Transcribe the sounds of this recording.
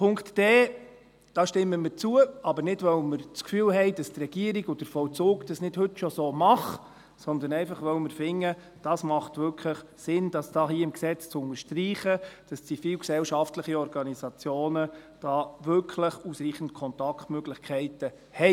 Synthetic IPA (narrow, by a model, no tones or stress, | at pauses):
pʰʊŋktd̥ɛː | d̥ɑːʃtɪmːəmət͡suəʔɑbəɾnɪdʋœwməɾt͡skfyːlɦɛɪd̥ɑstrɛɡ̥iəɾiɡʊd̥əɾfɔlt͡suːɡd̥ɑsnɪdhɵtʃɔsoːmɑχ | sɔnd̪ənɛɪfɑχʋœwməɾfɪŋːə | d̥ɑsmɑχtʋʏɾkʰləχsɪnd̥ɑsd̥ɑːɦiːɪmksɛt͡st͡sʊnəɾʃtriːχəd̥ɑst͡sifiːwksɛwʃɑftləχiɔɾɡɑnisɑt͡sjoːnəd̥ɑːʋʏɾkʰχləχusɾiːχən̩tkʰɔnt̪ɑktmøɡlɪχkʰɛɪtə | hɛɪ